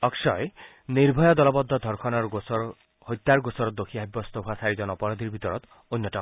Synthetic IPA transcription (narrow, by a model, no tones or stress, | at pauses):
ɔksɔj | niɾbʱɔjɔd̪ɔlɔbɔd̪ʱːɔd̪ʱɔɾkʰɔnɔɾ | hojt̪ːaɾɡosɔɾɔt̪̚d̪okʰiaɦibːɔst̪ɔɦuasaɾid͡ʒɔnɔpɔɾɔd̪ʱiɾbʱit̪ɔɾɔt̪ | ojnːjɔtɔ